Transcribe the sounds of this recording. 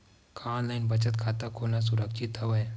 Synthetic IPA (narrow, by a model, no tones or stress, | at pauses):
kʰaːnlaɪnbət͡ʃət̪kʰaːt̪akʰoːnas̬ʊɾəkʃɪt̪ːɐʋəj